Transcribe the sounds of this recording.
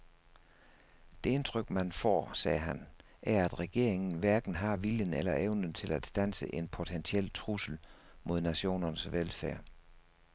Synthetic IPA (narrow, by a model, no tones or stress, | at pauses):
d̥e̝e̝nt͡sʰʁœɡ̥̚mænfɒ̰ːsɛːɦæn | æɐæd̥ʁɛɡ̥e̝ɐ̰e̝ŋn̩ʋæɐɡ̥n̩ɦɑ̈ʋiljənelɐʔeʊnənt͡sʰe̝læd̥sd̥ænsəʔe̝npʰo̝t͡sʰensʰiel̰t͡sʰʁusl̩mʔo̝ð̞ˠnæɕo̝̰ːnɐnəsʋelfæɐ̰